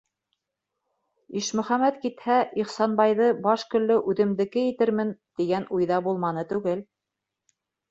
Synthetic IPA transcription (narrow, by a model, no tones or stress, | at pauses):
iʃmɵ̆χæmæt̪kit̪hæʔiχsɑnbɑjðɤbɑʃkɵ̆lːɵʔʉðɘ̆md̪ɘ̆kɘjɘ̆t̪ɘɾmɘnt̪iɡænujðɑbulˠmɑnɤt̪ʉɡɘl